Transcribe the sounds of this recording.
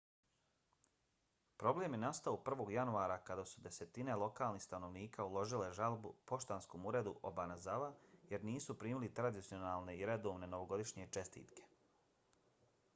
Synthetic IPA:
pɾo̞ble̞ːmjenast̪aopr̩ʋo̞ːɡjanuaːɾakad̪asud̪e̞se̞t̪inelˠo̞kaːlˠnihst̪ano̞ʋniːkaulˠo̞ʒileʒalˠbupo̞ʃt̪aːnsko̞muɾe̞d̪uʔo̰banazaʋaje̞ɾniːsupɾiːmilit̪ɾad̪it̪sijo̞naːlˠne̞iɾed̪o̞ːʋneno̞ʋo̞ɡo̞d̪iʃɲet͡ʃe̞st̪ḭːt̪ke̞̥

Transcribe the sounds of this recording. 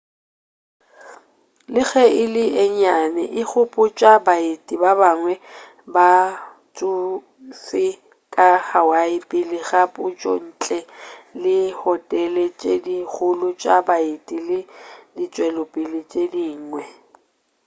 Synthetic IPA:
lɪɣɛɪlɪɛɲanɛʔɪk͡xʰʊpʼʊt͡ʃʼabaɪtʼibabaŋwɛ | ba | t͡sʼu | sɪ | kʼahawaɪpʼɪlɪɣapʊt͡ʃʼɔ̰n̩t͡ɬʼɛlɪhɔtʼɛlɛt͡ʃʼedik͡xʰʊlʊt͡ʃʼabaɪtʼilɪdit͡ʃʼwɛlʊpʼɪlɪt͡ʃʼediːŋŋwɛ

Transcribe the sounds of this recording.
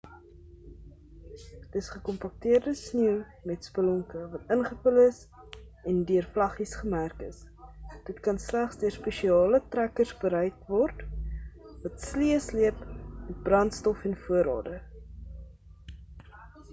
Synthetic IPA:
dəsχəkɔmpɐk̚tiərdəsniw | mɛtspəlɔŋkəvɐtənχəfələs | ɛndyərflɐχisχəmærkəsd̥ətkɐnslæχsdyərspɛʃiɑːlətrækərsbəɾɛjkvɔrt | vɐtsliəsliəpmɛt̚brɐntstɔfɛnfuəɾɑ̰ːdə

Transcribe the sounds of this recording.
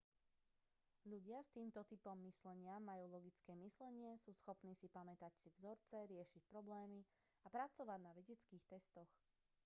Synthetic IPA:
ʎuɟɪast̪iːmt̪ɔt̪ipɔmːislɛɲɪaːajuːlɔɡit͡skɛːmislɛɲɪɛsuːsxɔpniːsipamɛt̪acsivzɔɾt͡sɛɾɪɛʃic̚pɾɔblɛːmi | apɾat͡sɔʋaɟnaʋɛɟɛt͡skiːxt̪ɛst̪ɔx

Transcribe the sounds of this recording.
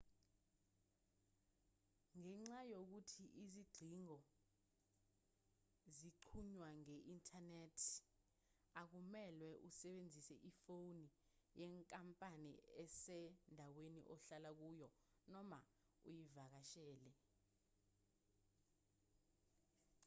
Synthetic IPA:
ŋɛŋ͡ǁajok̬utʰiʔiziɡ͡ǀʱiŋɔ | ziǃʰuɲwaŋɛʔintʰʼanetʰ | ak̬umɛlwɛʔusɛɓend͡zʱisɛʔifowni | jɛŋkʼampʼanḭɛsɛndʱawenḭʔɔɬalak̬uːjɔ | nɔma | ujivak̬aʃɛːlɛ

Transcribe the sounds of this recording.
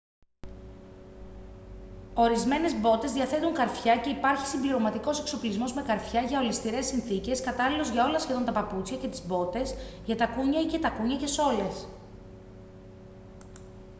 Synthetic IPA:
o̞ɾizme̞ne̞zbo̞t̪e̞zðiɐθe̞t̪uŋkɐɾfçɐce̞ipɐɾçi̥simbliɾo̞mɐt̪iko̞se̞kso̞plizmo̞zme̞kɐɾfçɐʝɐo̞list̪iɾe̞sinθice̞skɐt̪ɐlilo̞zʝɐo̞lɐsçe̞ðo̞nt̪ɐpɐput͡sçɐce̞t̪izbo̞t̪e̞sʝɐt̪ɐkuɲɐicet̪ɐkuɲɐce̞so̞le̞s

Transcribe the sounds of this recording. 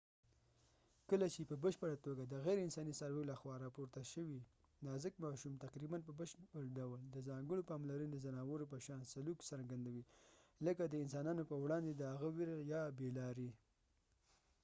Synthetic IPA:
kəlat͡ʃepəbəʃpəɽat̪oɡad̪əɣajɾɪnsɑnisaɾwelaxwɑɾɑpoɾt̪aʃəwi | d̪azəkmɑʃumt̪aqɾibanp̬əbəʃpəɽɖawld̪əzɑŋɡəɽopɑmlaɾənod̪əzanɑwəɾop̬əʃɑnsaluksaɾɡand̪awiləkad̪əɪnsɑnɑnopəwɽɑnd̪ed̪əhaɣəwɪɾjɑbelɑɾi

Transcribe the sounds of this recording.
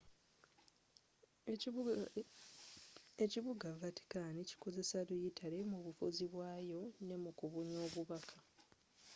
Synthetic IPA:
eciβuɡavatʰi̥kaːnici̥ko̞ze̞saɾujitʰale̞muβufuziβwaːjo̞ne̞mukuβuɲo̞ːβuβakʰḁ

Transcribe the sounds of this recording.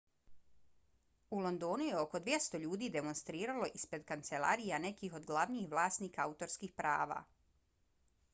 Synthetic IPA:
ulˠo̞nd̪o̞ːnujeo̞ko̞d̪ʋje̞st̪o̞ʎuːd̪iːd̪e̞mo̞nst̪ɾiːɾalo̞ʔispɾe̞d̪kant̪se̞lˠa̰ɾijane̞kiːxo̞d̪ɡlˠaʋniːxʋlˠaːsniːkaaut̪o̞ɾskiːxpɾa̰ːʋa̰

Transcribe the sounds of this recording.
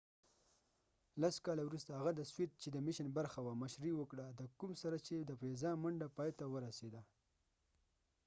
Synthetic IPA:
laskɑlawɾust̪ahaɣad̪əswet̪̚t͡ʃed̪əmɪʃənbaɾxawamaʃɾiwəkɽad̪əkumsaɾat͡ʃed̪əfezɑmaɳɖapɑjt̪awəɾased̪a

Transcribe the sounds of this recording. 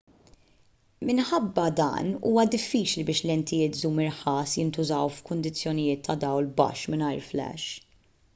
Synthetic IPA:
mɪnħɐbːɐd̪ɐ̰ːnṵːwɐd̪ɪfːiːt͡ʃlibɪːʃlɛnt̪ʰɪjɪːt̪zuːmɪɾħɐːsjɪnt̪ʊzɐwfkʊnd̪ɪt͡sːjɔnɪjɪːt̪ʰːɐd̪ɐwlbɐ̰ʃmɪnɐjɾflɛ̰ʃ

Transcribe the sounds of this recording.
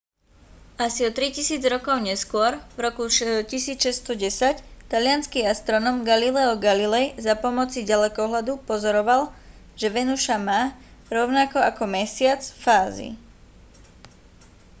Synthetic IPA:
asiɔt̪ɾicisiːd͡zɾɔkɔʊɲɛskʊɔɾvɾɔkuʃcisiːt͡sʃɛst̪ɔɟɛsact̪alɪanskiːast̪ɾɔnɔːmɡalilɛɔɡalilɛjzapɔmɔt͡siɟalɛkɔɦlad̪upɔzɔɾɔʋalˠ | ʒ̥ɛʋɛnuʃamaːɾɔʊnakɔakɔmɛsɪat͡sfaːzḭ

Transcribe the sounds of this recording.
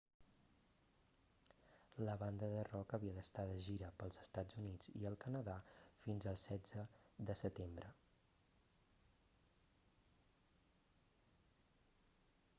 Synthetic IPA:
ləβand̪əðərɔkəβiəðəst̪aðəʒiɾəpəlˠzəst̪ad͡zunid͡zḭəlˠkənəðafinzəlˠsɛd͡zəðəsət̪embɾə

